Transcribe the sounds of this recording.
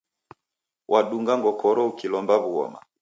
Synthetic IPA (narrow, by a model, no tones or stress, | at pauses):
wʔaɗuŋɡaŋɡɔkʰɔɾɔukilɔmbaβuɔ̰ma̰